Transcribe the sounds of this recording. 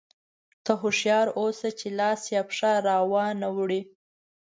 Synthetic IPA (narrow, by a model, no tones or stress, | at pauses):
t̪aɦʊʂjɑɾosat͡ʃelɑsjɑpʂaɾɑwɑnawɽi